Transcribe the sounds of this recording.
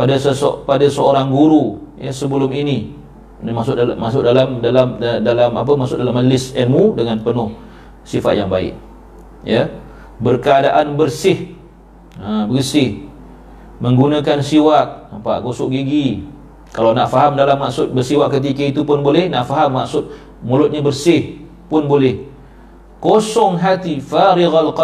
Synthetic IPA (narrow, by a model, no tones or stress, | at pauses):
padasəspadasəoɾaŋɡuɾujəsəbəlʊmini | masʊʔmaʔsʊʔdalamdalamdadalamap̬əmasʊtʔdalaməd͡ʒəlɪsɛnmudəŋanpənʊh | sifa̰t̪jaŋbaɪ̰ʔ | jə | bərkəadaʔanbərsɪh | əbərsɪh | məŋɡunakansiwak̚nampa̰ʔɡosʊʔɡiɡi | kalawnaʔfaɦamdalamːaʔsʊt̪̚bərsiwaʔkːət̪̬ikəit̪upʊnbolɛhnaʔfaɦamːaksʊt̪̚ | mulʊt̪̚ɲabərsɪh | pʊnbolɛh | kosɔŋɦat̪ifaɾiɣalqɑ